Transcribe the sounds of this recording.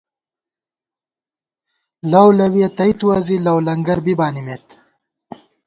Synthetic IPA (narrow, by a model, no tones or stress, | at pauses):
lawlɐwiet̪ɐjt̪uwazilɐwlɐŋɡɐɾbibaːnimet̪